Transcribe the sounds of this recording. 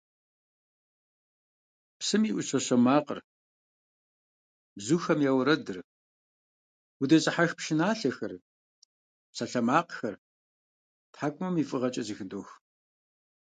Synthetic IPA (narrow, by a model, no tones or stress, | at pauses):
psɨmiːʔʷʊɕɐɕɐmaːqə̰r | bzuːxɐmjaːwɾɐdɨr | udɐɕʼɐħaxpʃɪnaːɬɐxɐr | psaɬɐmaːqxɐr | tħaːkʷʼʊmɐmifʼɨʁɐt͡ʃʼɐzɨxɨdoːx